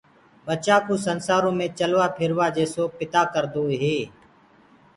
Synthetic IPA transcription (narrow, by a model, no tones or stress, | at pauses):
ɓət͡ʃaːkũːsənsaːɾõːmẽːt͡ʃəlʋaːpʰɪɾʋaːd͡ʒeːsoːpɪt̪aːkəɾd̪oːɦeː